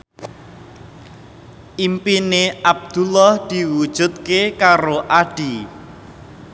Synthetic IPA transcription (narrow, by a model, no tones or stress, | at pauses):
ʔimpineab̚d̪̥ulɔhd̪̥i̤wud̥ʒ̥ṳt̪̚kekaɾoʔaɖ̥i